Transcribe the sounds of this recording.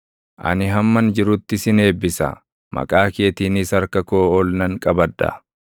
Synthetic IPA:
ʔɐ̰nɪɦɐmːɐnd͡ʒɪɾʊt̪ːɪsɪne̞ːbːɪsɐ̰ | mʔɐ̰kʼaːke̞ːt̪iːnɪsɐɾkɐkoːɔlnɐŋkʼɐbɐd̪ːɐ̰

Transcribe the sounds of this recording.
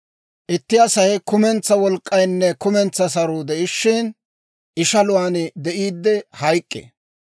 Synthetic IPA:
ʔɪt̪ːɪɐsɐjkʊmɛnt͡sːɐwɔlkʼːɐjnːɛkʊmɛnt͡sːɐsɐɾʊd̪ɛʔɪʃːɪn | ʔɪʃɐlʊwaːnd̪ɛʔiːd̪ːɛhɐjkʼːɛ̰

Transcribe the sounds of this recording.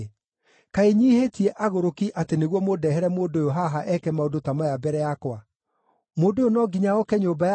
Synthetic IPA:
kaeɲiːhetiɛʔaɣoɾokiʔateneɣwɔmodɛɦɛɾɛmoːdojoɦaɦaʔɛkɛmaodotamajabɛɾɛjakwa | moːdoonɔɡiɲaɔkɛɲoːbaj

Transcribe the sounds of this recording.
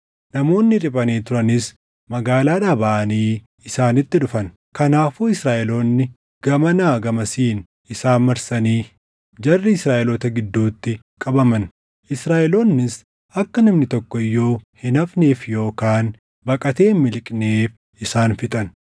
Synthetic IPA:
nɐmo̞ːnːɪᶑɪbʼɐneːt̪ʊɾɐnɪs | mɐɡaːlaːᶑabaʔɐniː | ɪsaːnɪt̪ːɪᶑʊfɐn | kɐnaːfuːɪsɾaːʔɛloːnːɪ | ɡ̥ɐmɐnaːɡɐmɐsiːn | ɪsaːnmɐɾsɐniː | d͡ʒɐrːɪɪsɾaːʔɛlot̪ɐɡɪd̪ːuːt̪ːɪ | kʼɐbɐmɐn | ʔɪsɾaːʔɛloːnːɪs | ʔɐkːɐnɐmnɪt̪ɔkːɔɪjːo̞ːhɪnɐfneːfjo̞ːkaːn | bɐkʼɐt̪e̞ːmːɪlkʼneːf | ɪsaːnfɪt̪ʼɐn

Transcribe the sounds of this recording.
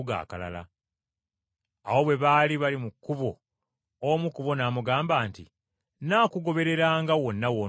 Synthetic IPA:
ɡa̰ːka̰la̰la̰ | a̰wo̞βwe̞βaliβalimukːuβo̞ | omukuβo̞naːmuɡaːmbaːntḭ | naːkuɡo̞βe̞ɾe̞ɾaːŋɡawo̞nːawo

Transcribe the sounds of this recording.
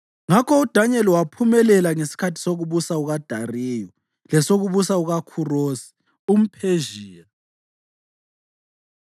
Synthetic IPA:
ŋakʰɔud̥ʱaɲɛlwapʰumɛlɛlaŋesi̥kʰatʰi̥soɣuβusauɣad̥ʱariːjɔ | lɛsoɣuβusauɣakʰuroːsi̥ | um̩pʰeʒiːja

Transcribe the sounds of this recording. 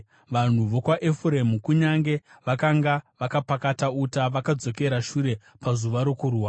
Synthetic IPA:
ʋan̤uʋo̞kwaʔefuɾemukuɲaŋɡe̞ | ʋakaŋɡaʋakapakatautaʋakad͡zo̞ke̞ɾaʃuɾe̞ | pazuʋaɾo̞kuruːwa

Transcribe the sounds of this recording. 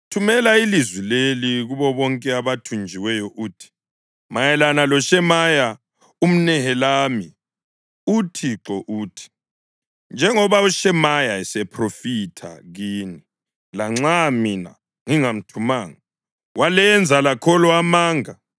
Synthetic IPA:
tʰumɛlailizwileliɣuβɔβɔŋkʼɛaβatʰund͡ʒʱiwɛjɔʔuːtʰi̥ | majɛlanalɔʃɛmaja | um̩nɛhɛlaːmi | utʰiǁɔʔuːtʰi̥ | nd͡ʒʱɛŋɔβauʃɛmajaɛsɛpʰrofitʰa̰ɣiːni | laŋ͡ǁamina̰ | ŋiŋam̩tʰumaːŋa | walɛnd͡zʱalakʰɔlɔamaːŋa

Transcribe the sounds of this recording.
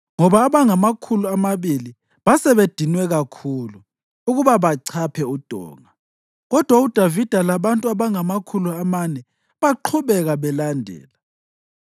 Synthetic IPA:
ŋɔβaːβaŋamakʰuluamaβili | βasɛβed̥ʱinwɛɣakʰulu | uɣuβaβaǀʰapʰɛud̥ʱɔ̰ːŋa | ɣɔd̥ʱwaud̥ʱavid̥ʱalaβantʼuaβaŋamakʰuluamanɛ | βaǃʰuβɛɣaβɛlandʱɛ̰ːla

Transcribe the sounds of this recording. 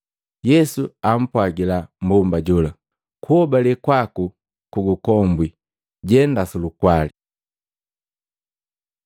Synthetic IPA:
jɛsuam̩pwaɡilambumbaɟula | kuɔbalɛkwaku | kuɡukɔmbwi | ɟɛndasulukwali

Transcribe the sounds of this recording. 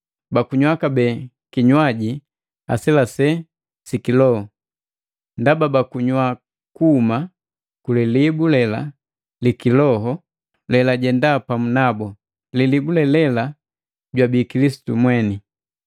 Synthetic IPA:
bakuɲwakabɛ | kiɲwaɟi | a̰sɛlasɛ | sikilɔhɔ | ndababakuɲwa | kuːma | kulilibulɛla̰ | likilɔɦɔ | lɛlaɟɛndapamunabɔ | lilibulɛlɛla | ɟwabikilisi̥tumwɛni

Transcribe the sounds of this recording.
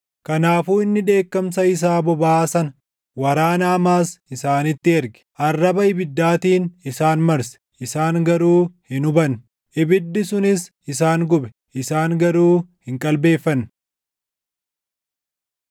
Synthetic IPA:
kɐnaːfuːɪnːɪᶑ̪e̞ːkːɐmsɐɪs̬aːbɔbaːsɐnɐ | wɐɾaːnaːmaːsɪsaːnɪt̪ːɪɛɾɡɛ̥ʔɐrːɐbɐɪbɪd̪ːaːt̪iːnɪsaːnmɐɾsɛ̥ʔɪsaːŋɡɐɾuːhɪnʊbɐn | ʔɪbɪd̪ːɪsʊnɪs | ɪsaːŋɡʊbɛ̥ | ʔɪsaːŋɡɐɾuːhɪŋkʼɐlbe̞ːfːɐnː

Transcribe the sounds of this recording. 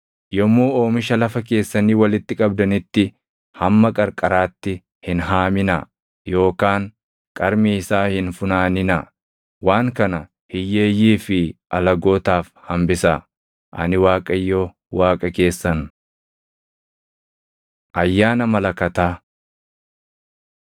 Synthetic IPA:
jɔmːoːo̞ːmɪʃɐlɐfɐke̞ːsːɐniːwɐlɪt̪ːɪkʼɐb̚d̪ɐnɪt̪ːɪ | hɐmːɐkʼɐɾkʼɐɾaːt̪ːɪ | hɪnɦaːmɪnɐ | jo̞ːkaːŋ | kʼɐɾmiɪsaːhɪnfʊnaːnɪnɐ | waːŋkɐnɐ | hɪjːeːjːiːfɪʔɐlɐɡo̞ːt̪aːfhɐmbɪsɐ | ʔɐ̰nɪwaːkʼɐjːoː | waːkʼɐke̞ːsːɐn | ʔɐjːaːnɐmɐlɐkɐt̪aː

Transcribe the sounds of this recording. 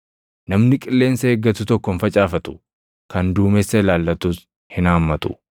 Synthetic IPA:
nɐmnɪkʼɪlːe̞ːnsɐeːɡːɐt̪ːʊt̪ɔkːɔnfɐt͡ʃʼaːfɐt̪ʊ̥ | kɐnd̪uːmɛsːɐɪlaːlːɐt̪uːs | hɪnaːmːɐt̪ʊ

